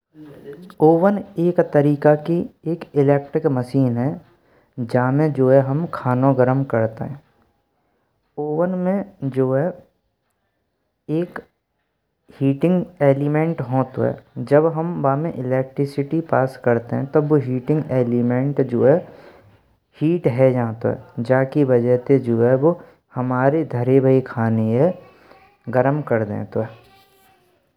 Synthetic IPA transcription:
oːʋəneːkt̪əɾiːkakieːkɪlɛːk̚ʈɾɪkməʃiːnɦɛː | d͡ʒaːmẽd͡ʒoːɦɛɦɐmkʰaːnõɡəɾəmkɐɾt̪ḛɦɛ̃ː | oːʋənmẽd͡ʒoːɦɛ | eːk | hiːʈɪ̃ŋɡeːlɪmẽɳʈɦoːt̪ɦɛ̰ːd͡ʒəbɦəmbaːmẽʔɪlɛːk̚ʈɾɪsɪʈipaːskɐɾt̪eɦɛ̃t̪ɐboɦiːʈɪ̃ŋɡeːlɪmẽɳʈd͡ʒoːɦɛ | hiːʈɦɛd͡ʒãːt̪o̰ɦɛ̰d͡ʒaːkibɐd͡ʒəɦt̪ed͡ʒoːɦɛʋo | hɐmaːɾed̪ʱəɾebʱəikʰaːneɦɛ | ɡəɾəmkɐɾd̪ḛ̃ːt̪oɦɛː

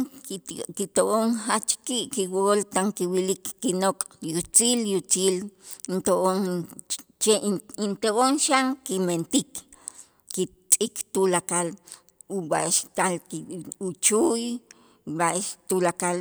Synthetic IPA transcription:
kit̪oʔoŋhat͡ʃkiʔkiwolt̪aŋkiwilikːinokʼjut͡siːljut͡siːlnt̪oʔoŋ | t͡ʃeʔint̪oʔonʃaŋkiment̪ik | kit͡sʼikt̪ulakal | uwaʔeʃt̪alkiut͡ʃuj | waʔeʃt̪ulakal

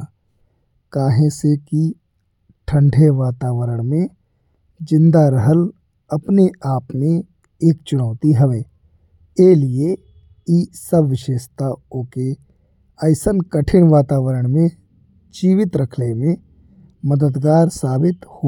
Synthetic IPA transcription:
kaːɦẽseki | ʈʰə̃ɳɖʱeʋaːt̪aːʋəɾəɽ̃mẽ | d͡ʒɪ̃nd̪aɾəɦəl | ɐpneaːpnẽ | eːkt͡ʃʊñaːt̪iɦɐʋeː | eːlie | isəbʋɪʃeːʃt̪aõke | əɪsənkəʈʰɪɽʋaːt̪aːʋəɾəɽ̃mẽ | d͡ʒiːʋɪt̪ɾəkʰlemẽ | məd̪əd̪ɡaːɾsaːbɪt̪ho

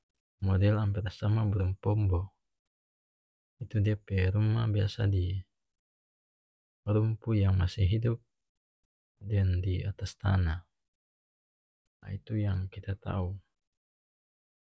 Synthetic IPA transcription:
mɔdɛlampɛɾasamabəɾumpɔmbɔ | it̪udiapɛɾumabiasa̰di | ɾumpujaŋmasiɦidup̚ | dandiat̪ast̪a̰na | a̰it̪ujaŋkit̪at̪a̰u

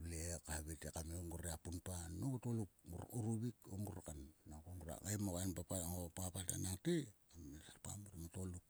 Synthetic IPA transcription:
lekaβetekameoŋɡuɾeapunpanːoutoluk̚uɾuɾuβikoŋɡuɾakanːakoŋɡuɾa̰ɡajmokaenpapŋopapata̰naŋtiamesapa̰muɾmatoluk̚

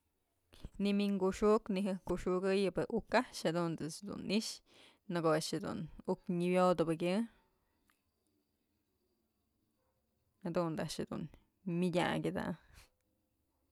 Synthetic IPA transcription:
nimiŋɡuʂuʔkniɦɨkuʂuɡɨjɨbeʔukaʃhed̪und̪ɨsd̪ṵniʔʂ | nɨkoaʂhed̪ṵnukɲibjod̪ɨbɨkʲjɨ | hed̪und̪aʔʃhed̪ṵn | mʲidʲa̰ɡʲɨd̪a̰

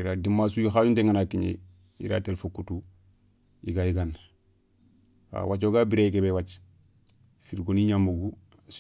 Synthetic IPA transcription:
iɾaːdimːasujoxaːjunteŋanakiɲḛ | ḭɾa̰telfokːutu | iɡajiɡan | a̰wat͡ʃoɡabiɾeɡebewat͡ʃ | fiɾɡoniɲamoɡu

